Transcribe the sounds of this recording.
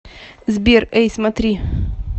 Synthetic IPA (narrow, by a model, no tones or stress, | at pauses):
zbʲerɛjsʲmɐt̪ɾʲi